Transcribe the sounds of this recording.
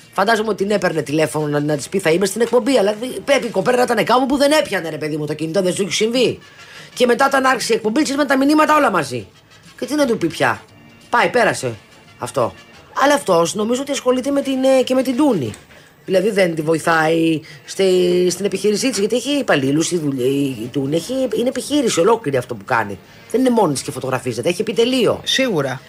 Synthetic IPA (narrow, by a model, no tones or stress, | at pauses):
fɐnd̪ɐzomeot̪ine̞pe̞ɾnet̪ile̞fo̞nonɐnɐt̪i̥spiθɐimest̪inek̚pombiɐlɐðipepiko̞peɾnɐt̪ɐnekɐpupuðe̞ne̞pçɐneɾe̞pe̞ðimut̪ocinit̪oðesuçisiɱvi | ce̞me̞t̪ɐot̪ɐnɐɾçisiek̚pombit̪siɾmɐnt̪ɐminimɐt̪ɐo̞lɐmɐzḭ | cet̪iðed̪upipçɐ̰ | pɐjpe̞ɾɐse̞̰ | ɐ̰ft̪o̞̰ | ɐlɐːft̪o̞sno̞mizoot̪iɐsxo̞lit̪eme̞t̪inceme̞t̪ind̪unḭ | ðilɐðiðent̪ivo̞iθɐist̪ist̪inepiçiɾisit̪izʝɐt̪ieçiːpɐlilusiðuʎːt̪unieçiinepiçiɾisio̞lo̞kliɾiɐft̪o̞pukɐ̰nḭ | ðe̞nine̞mo̞not̪iscefo̞t̪o̞ɣɾɐfiset̪eeçie̞pit̪e̞lio̞̰siɣuɾɐ